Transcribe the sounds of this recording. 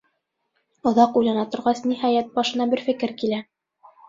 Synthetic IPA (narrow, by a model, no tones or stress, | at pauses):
ŏðɑqujlˠɑnɑt̪ŏɾʁɑsnihɑjæt̪̚bɑʃɤ̆nɑbɘɾfɘ̆kɘɾkilæ